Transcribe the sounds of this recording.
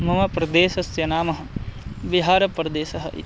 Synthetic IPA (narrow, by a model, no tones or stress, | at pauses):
mɐmɐpɾɐd̪eːʃɐsjɐnaːmɐɦɐ̆ʋiɦaːɾɐpɾɐd̪eːʃɐɦɐ̰ʔḭ